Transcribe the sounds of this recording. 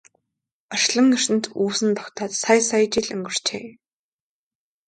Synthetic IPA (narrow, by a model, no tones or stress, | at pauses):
ɔʃɮə̆ŋːɵr̥ɘ̆nt̪ʰuːsɘ̆nt̪ʰɔkt̪ʰaːt̪sajsajt͡ɕiɮɵ̰ŋɡɵ̆r̥t͡ɕʰḛː